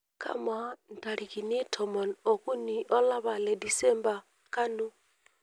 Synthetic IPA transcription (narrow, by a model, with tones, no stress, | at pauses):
ka̰˦ma˦n̩˨ta˨ɾi˨ki˨ni˦tʰɔ˨mɔ˨nɔ˨ku˦ni˨ʔɔ˦la˦βa˨lɛ˨di˨sɛ˦mba˨ | ka˦nu˦